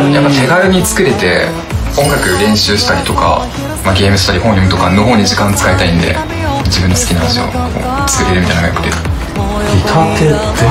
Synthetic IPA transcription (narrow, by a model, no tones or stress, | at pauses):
japːat̪e̞ɡaɾɯ̟ɲ̟it͡sɨ̥kɯ̟ɾe̞t̪e̞ | õ̞ŋɡakɯ̟ɾẽ̞ɰ̃ɕɨːɕi̥t̪aɾʲit̪o̞ka̰ | maɡʲe̞ːmɯ̟ɕi̥t̪aɾʲihõ̞ɰ̃imɯ̟t̪okanːo̞ɦo̞ːɲ̟iʑikãot͡sɨ̥kaet̪aĩnd̪e̞̰ | d͡ʑibɯ̟nːosɨ̥kʲinãhd̪eɕio̰ko̰ːt͡sɨ̥kɨɾʲeɾɯmʲit̪ainaɡajo̰kɯ̟d̪e | ɡʲit̪ʰat̪e